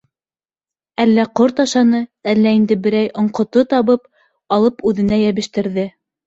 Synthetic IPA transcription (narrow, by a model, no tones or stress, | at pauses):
ælːæqoɾt̪ɑʃɑnɤælːæind̪ɘbɘ̆ɾæjʔŏɴqŏt̪ot̪ɑβɤp | ɑlˠɤpʉðɘ̆næjæβɘ̆ʃt̪ɘ̆ɾðɘ